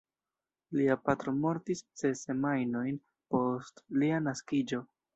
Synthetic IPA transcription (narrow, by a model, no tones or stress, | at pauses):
liapatɾo̞mo̞ɾtist͡se̞se̞majno̞jn | po̞stlianaskid͡ʒo̞